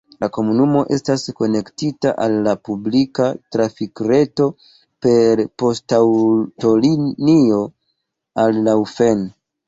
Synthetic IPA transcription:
lako̞munumo̞ʔe̞stasko̞ne̞ktitaʔalːapublikatɾafikɾe̞to̞ | pe̞ɾpo̞stawto̞linio̞ | alːawfe̞n

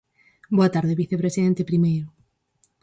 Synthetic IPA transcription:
boat̪aɾðeβiθepɾesiðɛnt̪epɾimejɾo

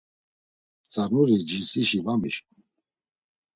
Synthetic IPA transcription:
t͡sʼaɾnuɾid͡ʒisiʃivamiʃ

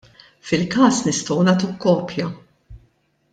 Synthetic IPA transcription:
fɪlkɐːsnɪst̪ɔwnɐːt̪ukːɔːpjɐ

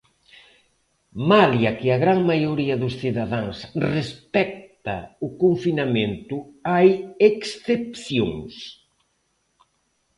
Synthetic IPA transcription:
maljɐkɪɐɣɾaŋmajoɾiɐðʊsθiðaðaŋsrespɛk̚t̪ɐ̰ʊkoɱfinamẽnt̪ʊajeksθepθjo̰ŋs

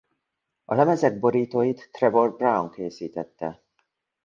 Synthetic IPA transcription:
ɒlɛmɛzɛɡ̚bo̞ɾiːt̪oːjit̪ːrɛbo̞r̚brawŋkeːsiːt̪ɛt̪ːɛ

